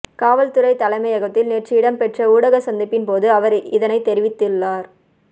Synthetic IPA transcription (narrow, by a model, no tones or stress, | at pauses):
kaːʋɐlt̪ɯɾɐɪt̪ɐlɐɪmɐɪjɐɣɐt̪ːɪlneːrʈt͡ʃɪɪɽɐmpɛʈrɐuːɽɐɣɐsɐnd̪ɪpːɪnpoːðɯɐʋɐɾɪðɐnɐɪt̪ːɛɾɪʋɪt̪ːɪlːaːɾ